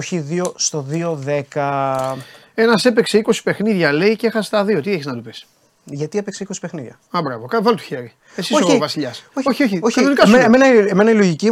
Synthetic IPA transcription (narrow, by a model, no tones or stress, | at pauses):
çiðiost̪o̞ðioðe̞kɐ | enɐse̞pekse̞iko̞si̥pe̞xniðʝɐle̞icexɐst̪ɐðio̞t̪ieçeznɐt̪upis | ʝɐt̪iepekseiko̞si̥pexniðʝɐ̰ | ɐbɾɐ̰vokɐvɐlot̪u̥çeɾi | esisoovɐsiʎɐsooçioçiokɐnonikɐsemenɐeme̞nɐilo̞ʝici